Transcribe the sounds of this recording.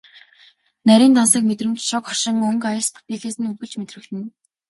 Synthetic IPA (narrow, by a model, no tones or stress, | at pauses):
næɾʲiːnt̪ɔnsəːkmet̪rɘ̆mt͡ɕʃɔkχɔʃɪ̆ŋɵŋkajə̆rsp̪ʰu̥pʲixaːsɘ̆nɵŋɡɘ̆ɮt͡ɕmet̪rɘ̆t̪ɘ̆n